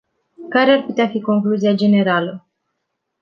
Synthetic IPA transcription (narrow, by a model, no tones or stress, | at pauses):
kaɾearput̪eafiko̞ŋkluziad͡ʒe̞ne̞ɾalə